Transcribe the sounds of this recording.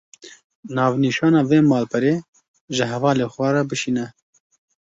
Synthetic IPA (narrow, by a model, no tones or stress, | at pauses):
nɑːvniːʃɑːnɑːveːmɑːlpʰɛɾeː | ʒɪɦɛvɑːleːxʷɛɾɛbɨʃiːnɛ